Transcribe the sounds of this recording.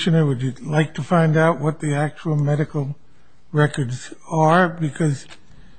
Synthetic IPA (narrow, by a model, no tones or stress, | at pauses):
ʃɨ̃nə˞wɨdɨlaɪk̚tʰɨfãɪ̃ndaʊt̚wʌt̪̚ðiæk̚t͡ʃul̩ˠmɛɾɨkl̩ˠ | ɹɛkə˞dzə˞bɨkʰʌz̥